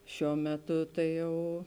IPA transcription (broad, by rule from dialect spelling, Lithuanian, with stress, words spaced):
ˈʃʲuɔ ˈmʲæːˌtʊ ˈtɐɪ ˈjɛʊ